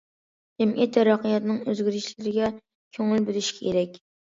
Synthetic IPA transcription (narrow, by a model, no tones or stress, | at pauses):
d͡ʒɛmʔḭt̪ʰːæɾɑqijɑt̪nɨŋøzɡʲiɾɪʃlɪɾɪɡʲɛ | kʲʰøŋɪlbølɪʃi̥kʲʰkʰʲeɾɛkʲ